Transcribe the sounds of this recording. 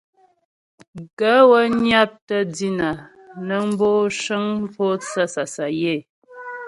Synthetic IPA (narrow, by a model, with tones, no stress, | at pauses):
ɡə˦wə˦ɲja˦p̚tə˦di˦na˨ | nə˦m̩˦bo˦ʃə˦ŋ̩˦pʰo˦t͡sa˦sa˨sa˨je˦˨